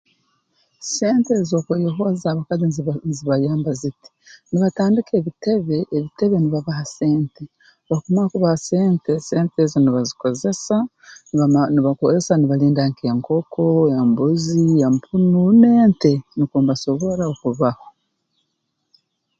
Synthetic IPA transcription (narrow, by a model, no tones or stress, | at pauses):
se̞ːnte̞zo̞ːkojoɦo̞zaβakazizziβajaːmbaziti̥niβataːndikʰe̞ːβite̞βe̞ʔeβite̞βe̞niβaβahase̞ːnte | βakomaakuβahaseːnte̞seːnteziniβaziko̞ze̞sa | niβakozesaniβaliːndaŋkeŋko̞kʰo̞embuziempʰunune̞ːnte̞nikoːmbaso̞βo̞ɾaokuβaho